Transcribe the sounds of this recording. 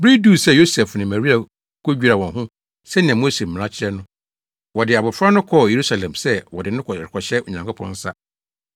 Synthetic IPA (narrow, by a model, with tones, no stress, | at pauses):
bɾi˦du˦˨sɛ˦˨jo˦sɛ˨fnɪ̃˨mæ˨ɾi˦a˨ | kʰo˦d͡ʑᶣɾa˨wɔ̃˨nɦʊ̃˦ | sɛ˦nɪ̃˨ã˨mo˦se˨m̩˨mɪ̃˨ã˦t͡ɕʰɪ˦ɾɛ˦nʊ̃˦ | wɔ˨dɪ˨a˨bʊ˨fɾa˦nʊ̃˦kʰɔ˦˨je˨ɾu˦sa˨lɛ̃˨msɛ˦wɔ˨dɪ˨nʊ̃˦kʰkʰɔ˨ɕɛ˦o˨ɲã˨ŋkʰʊ˦pʰɔ̰̃˦n̩˦sa˦